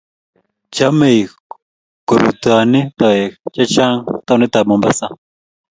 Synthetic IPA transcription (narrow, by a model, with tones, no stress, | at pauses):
t͡ʃa˦me˨j | ko˨ɾṵ˨t̪a˨ni˦t̪a˨e˨t͡ʃa˦t͡ʃa˦ŋt̪a˦˨˧ni˦t̪a˨mɔ̃˨mba˦sa˦